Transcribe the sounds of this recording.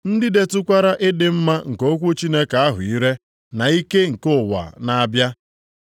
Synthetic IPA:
n̩˦dɪ˦de˨tʊ˦kʷa˦ɾa˦ʔɪ˦dɪ˨m̩˦ma˦ŋ̩˨ko˦kʷu˦t͡ʃi˦ne˦ka˨a˦ɦʊ̰˨i˦ɾe˦ | na˨i˦ke˦ŋ̩˨kʊ˦˨wa̰˨na˦bja˦

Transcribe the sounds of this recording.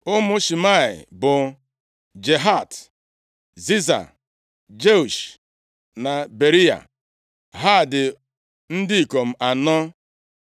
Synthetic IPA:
ʊ˦mʊ˦ʃi˨ma˦˨ɪ̰˨bʊ˨ | d͡ʒe˨ɦa˦˨t | zi˦za̰˨ | d͡ʒe˦u˨ʃ | na˨be˨ɾi˦a̰˨ | ɦa˦˨dɪ˨ | n̩˦dɪ˦i˨ko˨m̩˦ʔa˨nɔ˦

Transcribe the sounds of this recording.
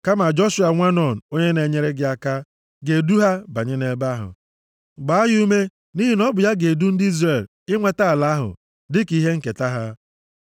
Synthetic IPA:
ka˦ma˨d͡ʒo˦ʃu˨˦a˨ŋʷa˦nɔ˨n̩˨o˦ɲe˦ne˨ɲe˦ɾe˦ɡɪ˦a˨ka˦ | ɡe˨du˦ɦa˦ba˨ɲɪ˦ne˦ba˦ɦʊ̰˨ | ɡ͡ba˨a˦ɦu˦u˦me˦ | ni˦ɦi˨nɔ˦bʊ˨ja˦ɡe˨du˦n̩˦di˦zre˨l | ɪ˦ŋʷe˨ta˦a˨la˦a˦ɦʊ̰˨ | dɪ˦ki˦ɦe˦ŋ̩˨ke˨ta˦ɦa˦

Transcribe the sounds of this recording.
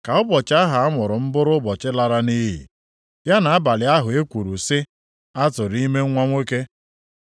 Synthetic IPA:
ka˨ʊ˦bɔ˨t͡ʃa˦ɦa˨a˦mʊ˨ɾʊ˨m̩˦bʊ˦ɾʊ˦bɔ˨t͡ʃɪ˦la˦ɾa˦ni˦ɦḭ˨ | ja˦na˨a˦ba˨lɪ˨a˦ɦʊ˨e˦kʷu˨ɾu˨sɪ˦ | a˦tʊ˨ɾi˦me˦ŋʷa˦ŋʷe˦ke˦

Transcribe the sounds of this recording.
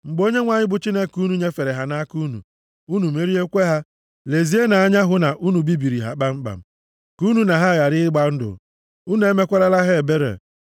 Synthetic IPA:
ŋ͡m̩˨ɡ͡bo˦ɲe˦ŋʷa˨ɲɪ˦bʊ˨t͡ʃi˦ne˦ku˦nu˦ɲe˦fe˨ɾe˨ɦa˦na˦ku˦nṵ˨ | u˦nu˨me˦ɾi˦e˦kʷe˦ɦa˦ | le˨zi˦e˦na˨a˦ɲa˦ɦʊ˨na˨ʔu˦nu˨bi˦bi˨ɾi˨ɦa̰˨k͡pa˦ŋ͡m̩˦k͡pa̰˨m̩˨˦ | ku˦nu˨na˨ɦa˦˨ja˨ɾɪ˦ɪ˦ɡ͡ba˦n̩˦dʊ̰˨ | u˦nu˦e˦me˦kʷa˦ɾa˦la˦ɦe˦e˨be˦ɾḛ˨

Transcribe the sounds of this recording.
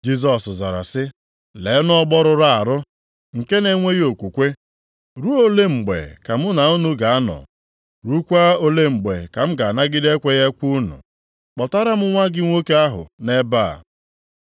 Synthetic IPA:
d͡ʒi˦z̬ɔ˨sza˨ɾa̰˨sɪ˦ | le˨˦nɔ˦ɡ͡bɔ˦ɾʊ˦ɾa˨a˨ɾʊ˦ | ŋ̩˨ke˦ne˨ŋʷe˦ɣo˨kʷu˨kʷe˦ | ɾu˦o˦le˦ŋ͡m̩˨ɡ͡bḛ˨ka˨mʊ˦na˨u˦nu˦ɡa˨a˦nɔ̰˨ | ɾu˦kʷa˦o˦le˦ŋ͡m̩˨ɡ͡be˨ka˨m̩˦ɡa˨na˦ɡɪ˦de˦kʷe˦ɣe˦kʷu˦nṵ˨ | k͡pɔ˨ta˦ɾa˦m̩˦ŋʷa˦ɡɪ˦ŋʷo˦ke˦a˦ɦʊ̰˨ne˦baː˦˨

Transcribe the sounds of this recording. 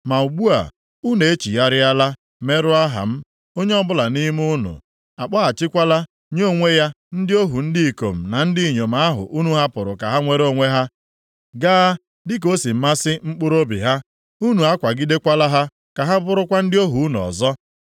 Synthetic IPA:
ma˨u˨ɡ͡bu˦a̰˨ | u˦ne˨e˦t͡ʃi˨ja˦ɾɪ˦a˦la˦ | me˦ɾʊ˦a˦ɦa̰˨m̩˦ | o˦ɲe˦ɔ˦bʊ˦la˨ni˦m˦ʊ˦nʊ̰˨ | a˨k͡pa˦a˨t͡ʃɪ˦kʷa˦la˦ | ɲ˦oo˦ŋʷe˦ja˦ | n̩˦dɪ˦o˦ɦu˨n̩˦dɪ˦i˨ko̰˨m̩˨na˨n̩˦dɪ˦˨ɲo˨ma˨a˦ɦʊ̰˨ʔu˦nu˦ɦa˦pʊ˨ɾʊ˨ka˨ɦa˦ŋʷe˦ɾo˦˨ŋʷe˦ɦa˦ | ɡa˦ | dɪ˦k̬o˦si˨m̩˦ma˦sɪ˦ŋ͡m̩˦k͡pʊ˦ɾo˦bḭ˨ɦa˦ | u˦nu˨a˦kʷa˨ɡɪ˦de˦kʷa˦la˦ɦa˦ | ka˨ɦa˦bʊ˦ɾʊ˦kʷa˦n̩˦dɪ˦o˦ɦu˨u˦n˨ɔ̰˨zɔ˦

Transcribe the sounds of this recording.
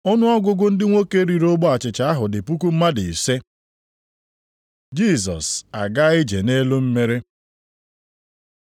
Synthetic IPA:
ʊ˦nʊ˦ɔ˦ɡʷʊ˦ɡʊ˦n̩˦dɪ˦ŋʷo˦ke˦ɾi˨ɾo˦ɡ͡bɔ˦a˨t͡ʃɪ˨t͡ʃa˨˦a˦ɦʊ˨dɪ˨pu˦ku˦m̩˦ma˦dɪ˨se˦ | d͡ʒi˦˨sɔ̰˨sa˨ɡa˦ɪ˦d͡ʒe˨ne˦lo˦m̩˦me˦ɾe˦

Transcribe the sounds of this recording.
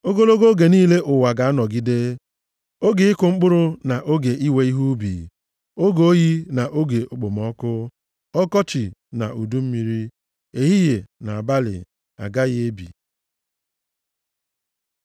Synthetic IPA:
o˦ɡo˦lo˦ɡo˦ɡe˨niː˦le˦ʔʊ˨wa˨ɡa˨a˦nɔ˨ɡi˦de˦ | o˦ɡɪ˨˦ɪ˦kʊ˨ŋ͡m̩˦k͡pʊ˦ɾʊ˦na˨ʔo˦ɡe˨ʔi˦we˦i˦ɦu˦bḭ˨ | o˦ɡo˦o˦ji˦na˨ʔo˦ɡe˨ʔʊ˨k͡po˨m˨ɔ˦kʊ˦ | ɔ˦kɔ˦t͡ʃi˨na̰˨u˨du˦m̩˦mi˦ɾi˦ | e˦ɦi˦je˨na˨a˨ba˦lɪ̰˨ | a̰˨ɡa˦ɣɪ˦e˦bḭ˨

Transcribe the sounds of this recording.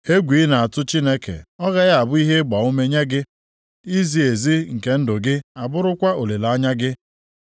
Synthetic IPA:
e˦ɡʷi˨˦na˨a˨tʊ˦t͡ʃi˦ne˦kḛ˨ɔ˦ɣa˦ɣa˦a˨bʊ˦i˦ɦe˦ɡ͡ba˨o˦me˦ɲe˦ɡɪ˦ | i˦zi˨e˨zi˦ŋ̩˨ke˨n̩˦dʊ˨ɡɪ˦a˨bʊ˦ɾʊ˦kʷa˦o˨le˨la˨˦ɲa˦ɡɪ˦

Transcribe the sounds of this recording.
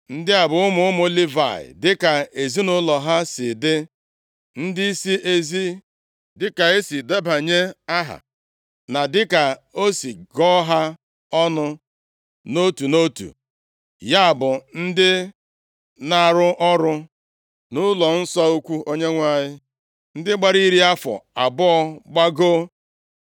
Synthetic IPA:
n̩˦dɪ˦a˨bʊ˨ʊ˦mʊ˦ʊ˦m˦o˦li˦va̰˨ɪ̰˨dɪ˦ka˨e˨zi˦nʊ˦lɔ˨ɦa˦sɪ˨dɪ˦ | n̩˦dɪ˦i˦si˦ʔe˨zi˦ | dɪ˦ka˨e˦si˨de˦ba˨ɲe˦a˦ɦa̰˨ | na˨dɪ˦ka˨o˦si˨ɡɔ˦ɦa˦ | ɔ˦nʊ˦ | no˦tu˨no˦tṵ˨ | ja˦a˨bʊ˨n̩˦dɪ˦ | na˨ɾʊ˦ʔɔ˦ɾʊ˦ | nʊ˦lɔ˨n̩˦sɔ˦u˦kʷu˦o˦ɲe˦ŋʷa˦˨ɲɪ˦ | n̩˦dɪ˦ɡ͡ba˨ɾi˦ɾi˦a˦fɔ̰˨a˨bʊ˦ɔ˦ɡ͡ba˦ɡo˦

